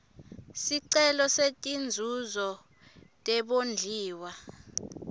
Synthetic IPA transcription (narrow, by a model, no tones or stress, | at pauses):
siǀɛlɔsetʼind͡zʱuzɔ | tʼɛɓond͡ɮʱiːwa